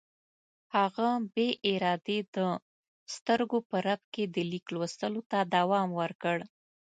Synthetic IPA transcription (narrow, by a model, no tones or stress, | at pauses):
haɣabeʔɪɾɑd̪ed̪ə | st̪əɾɡopəɾab̚ked̪əliklwost̪əlot̪ad̪awɑmwəɾkəɽ